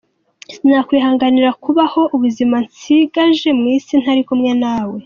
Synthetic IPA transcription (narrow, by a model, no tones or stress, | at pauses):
sn̥aːkwiːɦaːŋɡaniɾakuβaho̞ʔuβuzimansiɡaʒe̞mŋiːsin̥haɾikumŋenaːwe̞